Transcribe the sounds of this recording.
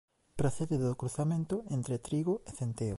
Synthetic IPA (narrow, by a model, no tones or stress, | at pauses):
pɾoθeðeðokɾuθamẽnt̪ʊent̪ɾet̪ɾiɣoeθent̪eo